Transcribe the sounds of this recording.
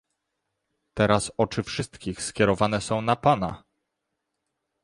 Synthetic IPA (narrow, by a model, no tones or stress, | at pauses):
t̪ɛɾasɔt͡ʂɘfʂɘst̪kʲixskʲɛɾɔvanɛsɔ̃w̃napana̰